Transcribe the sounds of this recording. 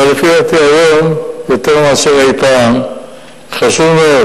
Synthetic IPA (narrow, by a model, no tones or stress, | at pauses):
lefiat̪iajomjo̞t̪eʁmaaseʁajpam | χaʃuvmeo